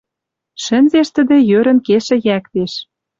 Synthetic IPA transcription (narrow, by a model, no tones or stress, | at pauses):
ʃɘ̆nzeʃt̪ə̆d̪ĕjøɾə̆nkeʃɘ̆jækt̪eʃ